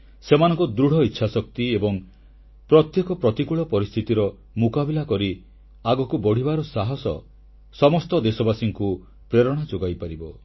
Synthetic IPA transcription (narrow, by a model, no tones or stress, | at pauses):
semanɔŋkɔd̪ɾuɽ̤ʱɔitːʃʰasɔk̚t̪iebɔŋ | pɾɔt̪jekɔpɾɔt̪ikuɭɔpɔɾist̪ʰit̪iɾɔ | mukabilakɔɾi | aɡɔkubɔɽ̤ibaɾɔsaɦɔsɔ̰ | sɔmɔst̪ɔd̪esɔbasiŋku | pɾeɾɔɽ̃ad͡ʒoɡajpaɾibɔ